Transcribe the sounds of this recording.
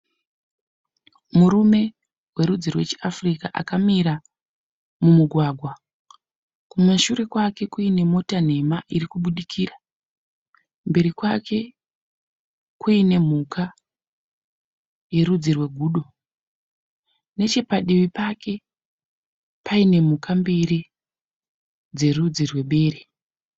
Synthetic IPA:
muɾume̞ | we̞ɾud͡zirwe̞t͡ʃeafrikaʔa̰kamiɾa | mumuɡʱwaːɡʱwa | kumaʃuɾe̞kwake̞kuine̞mo̞tan̤e̞maʔiɾikuɓuɗikʰira | mbe̞ɾikwake̞ | kuine̞m̤uka | je̞ɾud͡zirwe̞ɡʱuːɗo̞ | ne̞t͡ʃe̞paɗiʋipake̞ | paine̞m̤ukʰambiɾi | d͡ze̞rud͡zirwe̞ɓe̞ːɾe

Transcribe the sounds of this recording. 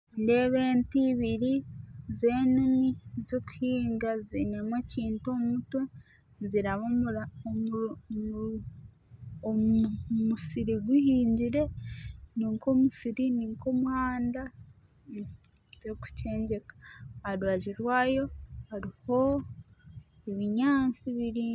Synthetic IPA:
nde̞βe̞ːntiβiɾize̞ːnunizoku̥hiːŋɡazinemweciːntomuto | ziɾaβomuɾa | omusiɾiɡwihiːɲɟiɾe̞niːŋko̞musiɾiniːŋkomuhaːnda | zoku̥ce̞ːɲɟe̞kḁaɾwaʒiɾwaːjo̞haɾiho̞ | eβiɲaːnt͡siβiɾi

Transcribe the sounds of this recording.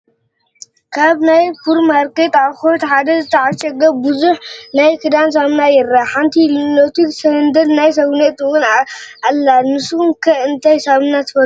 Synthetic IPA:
kʰaβnajfʰuɾmaɾket̪aβxot̪ħad̪ɐzɨt̪ʰɐʕaʃɐɡɐbɨzuħnajkʰɨd̪ans̬amnajɪɾːaħant̪ʰillot̪ʰisɐnd̪ɐlnajs̬ɐɡnet̪ɨwʊnaʔalːanɨsmkʰɐɨnt̪ʰajsamnat̪ʰɨfɐ

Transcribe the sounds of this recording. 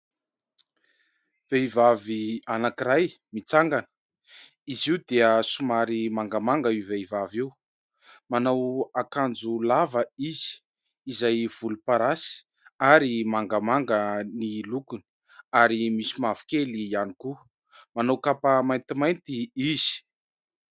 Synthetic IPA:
v̥eivavianakiɾajmit͡saŋɡanə̥ | iziwd̪eəsumaɾimaŋɡamaŋɡəiveivaviw | manawakand͡zulavəiz̥i̥ | izajv̥ulupaɾasi̥ | aɾimaŋɡəmaŋɡənilukuni | aɾimisimavi̥kelianiku | manawkapəmajnt̪imajnt̪iiz̥i̥

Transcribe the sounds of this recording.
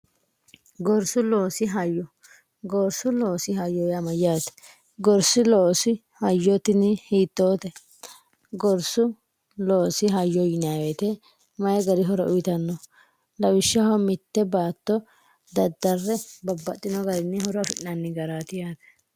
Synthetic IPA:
ɡɔɾsʊloːsɪɦɐjːɔ | ɡoɾsʊloːsɪhɐjːɔjamɐjaːt̪ɛ̥ | ɡɔɾsɪloːsɪ | hɐjːɔt̪ɪnɪhiːt̪ːoːt̪ɛ | ɡɔɾsʊ | loːsɪɦɐjːɔjɪnawet̪ɛ | mɐjɛɡɐɾɪɦɔɾɔʔʊjɪt̪ɐnːɔ | lɐwɪʃːɐhɔmɪt̪ːɛbaːt̪ːɔ | d̪ɐd̪ːɐrːɛbɐbːɐt̪ʼːɪnɔɡɐɾɪnːɪhɔɾɐfɪʔnɐnːɪɡɐɾaːt̪ɪjaːt̪ɛ̥

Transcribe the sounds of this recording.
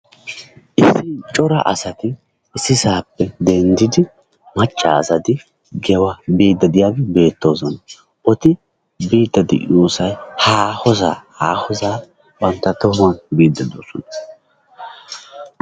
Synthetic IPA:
ʔɪsːɪt͡ʃʼɔɾɐ̰ʔɐ̰sɐt̪ɪ | ɪsːɪsaːpːɛd̪ɛnd̪ɪd̪ɪ | mɐt͡ʃʼːa̰ːsɐd̪ɪ | ɡɛwɐbiːd̪ːɐd̪ɪjaːɡɛbe̞ːt̪ːo̞ːzɔnɐ | ʔɔt̪ɪ | biːd̪ːɐd̪ɪ̰ʔuːsɐjhaːhɔza̰ːhaːhɔzaː | bɐnt̪ːɐt̪ʊmɐnbiːd̪ːɐd̪o̰ːsɔnɐ

